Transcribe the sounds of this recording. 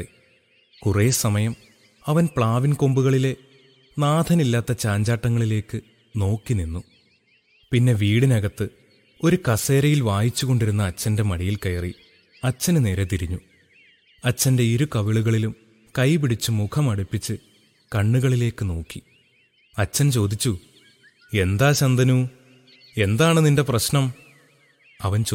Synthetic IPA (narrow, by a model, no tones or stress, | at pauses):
e | kure̞ːsɐmɐjɐm | ɐʋɐnpɭaːʋinko̞mbuɣɐɭile̞ | naːd̪ʰʱɐnilːaːt̪ːɐt͡ɕaːɲd͡ʑaːʈːɐŋːɐɭile̞ːkːɨ | no̞ːkːininːu | pinːe̞ʋiːɽinɐɣɐt̪ːɨ | o̞ɾukɐse̞ːɾɐjilʋaːjit͡ɕːuɣo̞ɳɖiɾunːɐːt͡ɕːɐnde̞mɐɽijilkɐjɐrḭ | ɐt͡ɕːɐnɨne̞ːɾe̞t̪iɾiɲːu | ɐt͡ɕːɐnde̞iɾukɐʋiɭuɣɐɭilum | kɐjpiɽit͡ɕːɨmukʰɐmɐɽupːit͡ɕːɨ | kɐɳːuɣɐɭile̞ːkːɨno̞ːkːi | ɐt͡ɕːɐnt͡ɕo̞ːd̪it͡ɕːu | e̞nd̪aːɕɐnd̪ʱɐnu | e̞nd̪aːɳɨninde̞prɐɕnɐm | ɐʋɐnt͡ɕ